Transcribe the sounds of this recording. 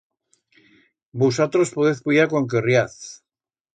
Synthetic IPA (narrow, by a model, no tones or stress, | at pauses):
busat̪ɾospoðeθpujakoŋkerjaθ